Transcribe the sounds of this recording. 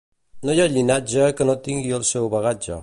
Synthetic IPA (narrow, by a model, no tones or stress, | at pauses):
nojaʎinad͡ʒəkənot̪iŋɡiəlˠsɛwβəɣad͡ʒə̰